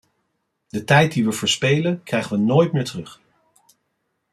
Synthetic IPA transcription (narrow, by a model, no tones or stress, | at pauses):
dətɛjt̚diʋəvəːɹspejlənkrɛjχənʋənoːjtmɪːɹtərɵχ